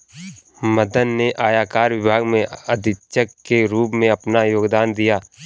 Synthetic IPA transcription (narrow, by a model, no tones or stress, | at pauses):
məd̪ənːeʔaːjaːkaːɾʋɪbʱaːɡmẽɐd̪ʱɪʃəkːeɾuːpmẽɐpnajoːɡd̪aːnd̪ijaː